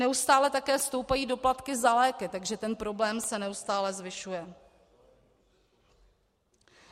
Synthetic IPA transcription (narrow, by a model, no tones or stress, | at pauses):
nɛust̪aːlɛt̪akɛːst̪o̞wpajiːdo̞plat̪kɪzalɛːkɪt̪aɡʒɛt̪ɛnpɾo̞blɛːmsɛnɛust̪aːlɛzvɪʃujɛ